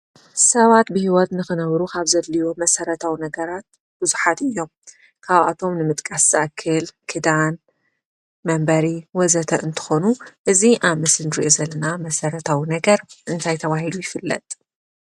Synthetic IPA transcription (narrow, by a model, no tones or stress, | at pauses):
sɐβat̪̚bɨhiwɔd̪nɨxɨnɐβɾukʰaβzɐlːiwomɐsɐɾɐt̪ʰawinɐɡɐɾat̪̚ | b̥ɨzuħat̪ɨjːo̞m | kʰaβʔa̰t̪ʰo̞mnɨmɨt̪ʼkʼasz̥ɨʔɐkʰːɨlkʰɨd̪an | mɐmbɐɾiwɔzɐt̪ʰɐʔɨnt̪ʰɨ̥xo̞nuʔɨziʔaβmɨsnɾiʔozɐlːɐnamɐsɐɾɐt̪ʰawinɐɡɐɾʔɨnt̪ʰajt̪ʰɐβaɦilujɪfɨlːɐ̰t̪ʼ